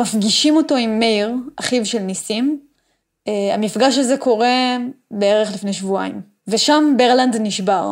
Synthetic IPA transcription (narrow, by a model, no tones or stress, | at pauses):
mafɡiʃimo̞to̞imːeiʁaχivʃe̞lnisim | amifɡaʃ̬azeko̞ʁe̞beeʁeχlifne̞jʃvua̰im | veʃambeʁlandniʃbaʁ